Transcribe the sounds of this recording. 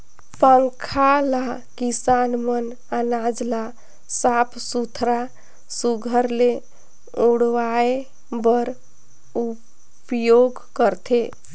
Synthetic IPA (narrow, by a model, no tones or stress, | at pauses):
pəŋkʰala | kisanmən | anad͡ʒla | sapʰsut̪ʰɾa | suɡʱəɾle | uɽʋae | bəɾ | u | pjoɡ | kəɾt̪ʰe